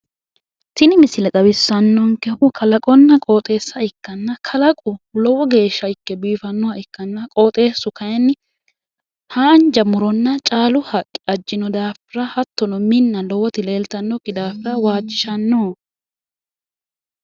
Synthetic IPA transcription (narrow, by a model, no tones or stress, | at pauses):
t̪ɪnɪmɪsɪlɛt̪ʼɐbɪsːɐnːɔŋkɛʔʊkʰɐlɐkʼɔnːɐkʼoːt̪ʼe̞ːsːɐɪkːɐnːɐkʰɐlɐkʼʊlɔwɔɡe̞ːʃːɐɪkːɛbiːfɐnːɔwɐɪkːɐnːɐkʼoːt̪ʼe̞ːsːʊkɐjɛnːɪ | haːnd͡ʒɐmʊɾɔnːɐt͡ʃʼaːlʊhɐkʼːɪ̥ɐd͡ʒːɪnɔd̪aːfɪɾɐhɐt̪ːɔnɔmɪnːɐlɔwɔt̪ɪle̞ːlt̪ɐnːɔkːɪd̪aːfɪɾɐwaːd͡ʒːɪʃɐnːoː